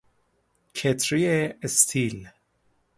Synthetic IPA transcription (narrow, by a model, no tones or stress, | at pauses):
kʰet̪ʰɾieest̪ʰil